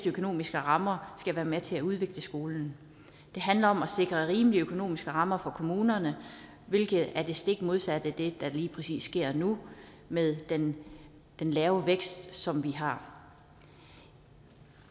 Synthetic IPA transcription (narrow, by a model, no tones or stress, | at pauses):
d̥økʰo̝no̝̰ːmisɡ̥əʁɑ̈mɐsɡ̥æʋæːɐmet͡sʰe̝æuðˠʋe̝ɡ̥ləsɡ̥o̝ːln̩ | d̥e̝ɦænlɐɒ̽mæse̝ɡ̥ʁɐʁiːməliøkʰo̝no̝̰ːmisɡ̥əʁɑ̈mɐfɒ̽kʰo̝muːnɐnə | ʋe̝lɡ̥ð̩ˠæɐd̥e̝sd̥e̝ɡ̥mo̝ð̞ˠsæd̥əd̥e̝d̥ɑ̈liːpʰʁɛsḭːsːɡ̥e̝ɐ̰nu | meðˠd̥en | d̥enlɛːʊʋeɡ̥sd̥sɒ̽mʋiɦɑ̈